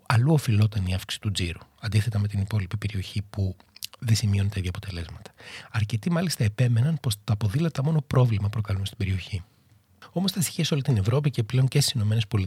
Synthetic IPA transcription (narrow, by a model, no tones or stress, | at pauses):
ɐluo̞filo̞t̪ɐniɐfki̥si̥t̪ud͡ziɾuɐnd̪iθe̞t̪ɐme̞t̪inipo̞lipipe̞ɾio̞çipu | ðesimio̞net̪ɐiðʝɐːpo̞t̪e̞le̞zmɐt̪ɐ̥ɐɾce̞t̪imɐlist̪ɐepe̞me̞nɐnpo̞st̪ɐːpo̞ðilɐt̪ɐmo̞no̞pɾo̞vlimɐpɾo̞kɐlumest̪ibe̞ɾio̞çi | o̞mo̞st̪ɐsi̥çiɐso̞lit̪ine̞vɾo̞pice̞ple̞o̞ɲcest̪i̥sino̞me̞nespo̞li